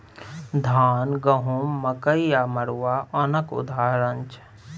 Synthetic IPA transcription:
d̪ʱaːnɡɐɦumːɐkəijamɐɾwaʔɐnɐkʊ̰d̪ʱaːɾəɲt͡ʃ

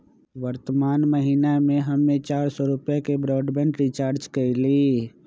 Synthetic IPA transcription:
ʋəɾt̪əmaːnməɦinamẽɦɐmːẽt͡ʃaːɾsɔɾʊpjakebɾɔːɖbə̃ɳɖɾit͡ʃaːɾd͡ʒkəiliː

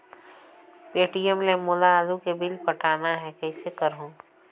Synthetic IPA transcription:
peːʈijəmlemʊlaːlukebɪlpɐʈʰaːnaɦɛkɛːsekɐɾɦõː

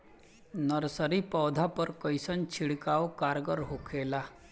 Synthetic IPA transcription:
nəɾsəɾipəwd̪ʱapəɾkəjsənt͡ɕʰiɽkawkaɾɡəɾɦokʰela

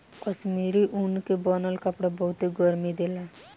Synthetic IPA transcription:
kəʃmiɾiʔunkebɔnəlkəpɽabɔɦut̪eɡɔɾmid̪ela

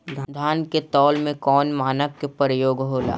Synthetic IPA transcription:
d̪ʱd̪ʱaːnket̪ɔːlmẽkɔːnmaːnəʋkepɾəjoːɡɦoːla̰ː

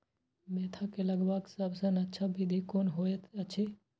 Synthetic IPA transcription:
meːt̪ʰakeləɡbaksəbʱsənətːʃʰabʱid̪ʱikonɦoet̪ət͡ʃʰe

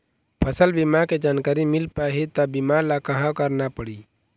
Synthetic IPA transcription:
pʰəsəlbimaked͡ʒaːnkaːɾimɪlpaɦit̪abimalakəɦãkəɾnapəɽiː

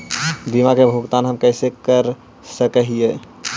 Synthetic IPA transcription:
b̪imakebʱuɡt̪anɦəmkəɪsekəɾ | səkəɦije

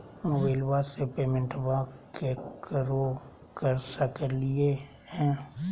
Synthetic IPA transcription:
ʊʋeːlʋasepeːmẽɳʈʋakekəɾo | kəɾsəkelie | hɛ̃ː

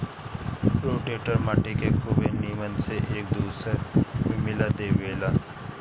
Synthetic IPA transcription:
ɾoːʈeːʈəɾmaːʈikekuʋenimənseʔeːk̚d̪uːsəɾmẽmɪlad̪eːʋeːlaː

